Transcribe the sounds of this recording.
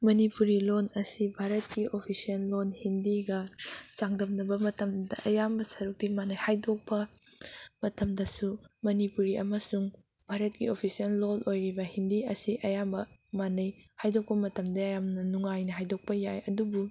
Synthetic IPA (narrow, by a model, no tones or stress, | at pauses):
mɐnipuɾilonɐsibʱaɾɐt̚kiʔopʰisiɐlːonhindiɡɐt͡ʃaŋdɐmnɐbɐmɐtɐmdɐ̰ʔɐjambɐsɐɾuk̚timanɐjhajdok̚pɐ | mɐtʰɐmdɐsumɐnipuɾiɐ̰mɐsuŋ | bʱaɾɐt̚kḭopʰisiɐlːolʔojɾibɐhindiɐsiʔɐjambɐmanɐjhajdok̚pɐmɐtɐmdɐɐjamnɐnuŋajnɐɦajdok̚pɐjajɐdubu